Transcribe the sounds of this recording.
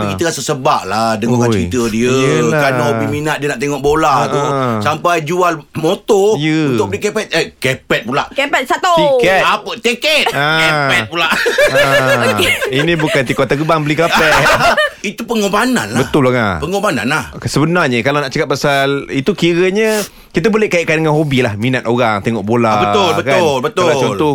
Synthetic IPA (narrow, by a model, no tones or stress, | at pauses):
əkit̪əɣasəsəbaʔladəŋokanəit̪ədiəkanabiminat̪̚diənaʔt̪eŋɔʔbolausampajd͡ʒualmot̪ɔjəunt̪ʊkbəlikepɛt̪̚əkepɛt̪̚pulaʔkɛpɛt̪̚sat̪oikɛapət̪ekɛt̪̚akepɛpulaʔ | inĩbukant̪ikɔt̪ːəɡəbaŋbəlikapɛ | it̪upəŋobanã̰nlabət̪ʊlaŋapəŋobana̰nlahsəbənarɲəkalanaʔt͡ʃakat̪̚pasalit̪ukiɾəɲə | kit̪abolehkaiʔkandəŋanɦobilahmĩnat̪̚oɾaŋt̪eŋɔʔbolabəʊlbəkalbət̪ʊat͡ʃɔlt̪ɔ